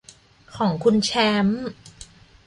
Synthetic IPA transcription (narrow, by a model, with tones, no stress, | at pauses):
kʰɔː˩˦ŋkʰu˧nt͡ɕʰɛ˦˥m